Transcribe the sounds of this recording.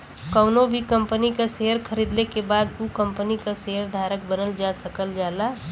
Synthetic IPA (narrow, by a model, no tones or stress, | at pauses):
kəʊnobʱikəmpənikaseɦəɾkʰəɾid̪lekebaːd̪ukə̃mpənikaseɦəɾd̪ʱaːɾək̚bənəld͡ʒasəkəld͡ʒaːla